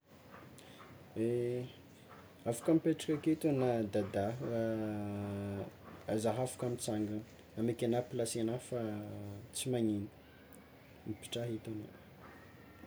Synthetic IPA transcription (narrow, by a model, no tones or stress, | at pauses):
e | afu̥kamipeʈ͡ʂḁkaket̪unad̪ad̪aɦ | zaɦafu̥kamit͡saŋɡan | amekʲanapilasianafa | t͡simaɲini̥ | mipi̥ʈ͡ʂaɦit̪ona̰